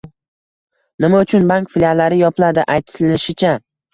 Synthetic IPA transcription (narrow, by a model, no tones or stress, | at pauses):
nɪmaʊt͡ʃʰʊnbaŋkfilʲalːaɾɪjɒplˠad̪ɪʔajt̪ʰɪlɪʃɪt͡ʃʰa